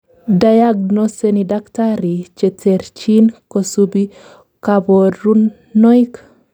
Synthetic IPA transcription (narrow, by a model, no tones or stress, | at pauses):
dajaɡnosenidaktaɾit͡ʃetʰeɾt͡ʃinkosubi | kaboɾunː | ɔjk